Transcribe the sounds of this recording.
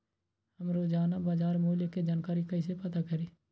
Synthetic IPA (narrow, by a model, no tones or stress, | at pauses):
həmɾoːd͡ʒaːnabaːd͡ʒaːɾmuːljəked͡ʒaːnkaːɾikəɪsepət̪akəɾiː